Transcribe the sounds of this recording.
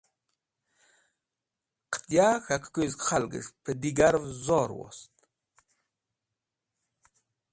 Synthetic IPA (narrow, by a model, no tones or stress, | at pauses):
qʰə̥t̪jaːxakʰkʰʷujzkχalɡɨ̰ʐpʰəd̪iɡaɾvzoːɾwɔ̰st̪